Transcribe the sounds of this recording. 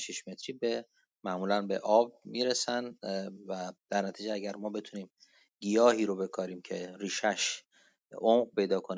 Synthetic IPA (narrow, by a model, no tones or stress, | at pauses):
ʃiʃme̞t̪ʰɾiːbe | mæmuːlænbe̞̰ʔɒːb̚miːɾesænvæd̪̥æɾnæt̪ʰiːd͡ʒeæɟæɾmɒːbe̞t̪ʰuniːm | ɡijɒːhiːɾobe̞kʰɒːɾiːmcʰe̞ɾiːʃæʃ | ʔomɢpʰe̞jd̪ɒːkʰoni